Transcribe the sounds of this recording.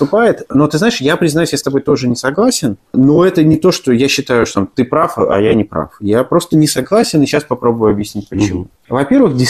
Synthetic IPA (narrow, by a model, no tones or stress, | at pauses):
t̪ʊpajɪt̪no̞t̪ɨznaɪʂjapɾʲɪznɐjusʲjast̪ɐbo̞jt̪o̞ʐɨnʲɪsɐɡlˠasʲɪnno̞ɛt̪ənʲɪt̪o̞ʂt̪o̞jaɕːɪt̪ajʊʂt̪ot̪amt̪ɨpɾafɐ̰janʲɪpɾa̰fjapɾo̞st̪ənʲɪsɐɡlˠasʲɪnɨɕːaspɐpɾo̞bəvjʊɐbjɪsʲnʲit̚ʲpət͡ɕɪmu | vɐpʲe̞rvɨxdʲɪ